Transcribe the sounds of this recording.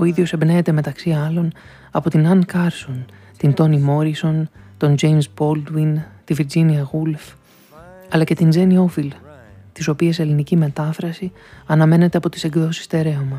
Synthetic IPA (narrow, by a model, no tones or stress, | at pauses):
o̞iðʝo̞sebneːt̪e̞me̞t̪ɐksiɐlo̞n | ɐpo̞t̪inɐnkɐɾso̞n | t̪int̪o̞nimo̞ɾiso̞nt̪o̞nd͡ʒe̞jmsbo̞ld̪wint̪iviɾd͡ʒiniɐɣulf | ɐlɐce̞t̪ind͡ze̞nio̞filt̪iso̞piɐselinicime̞t̪ɐfɾɐsi | ɐnɐme̞ne̞t̪e̞ɐpo̞t̪i̥se̞ɡðo̞si̥st̪e̞ɾe̞ɐmɐ